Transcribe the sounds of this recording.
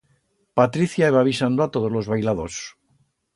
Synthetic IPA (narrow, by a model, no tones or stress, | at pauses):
pat̪ɾiθjaeβaβisand̪oat̪oðozlo̞zβajlaðos